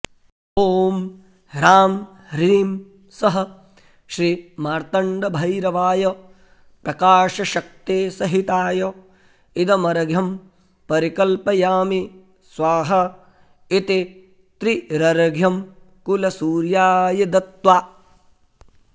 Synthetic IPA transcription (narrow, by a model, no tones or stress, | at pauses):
oːm | ɾaːm | ɾiːm | sɐɦɐ̆ | ʃɾimaːɾt̪ɐɳɖɐbʱɐjɾɐʋaːjɐ | pɾɐkaːʃɐʃɐk̚t̪eːsɐɦit̪aːjɐ | id̪ɐmɐɾɐɡʱjɐm | pɐɾikɐlpɐjaːmi | sʋaːɦɐ | it̪i | t̪ɾiɾɐɾɐɡʱjɐm | kulɐsuːɾjaːjɐd̪ɐt̪ʋaː